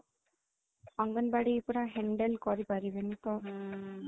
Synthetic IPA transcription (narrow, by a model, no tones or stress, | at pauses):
ɔŋɡɔnbaɽiːpuɾaɦɛɳɖelkɔɾipaɾibenit̪ɔ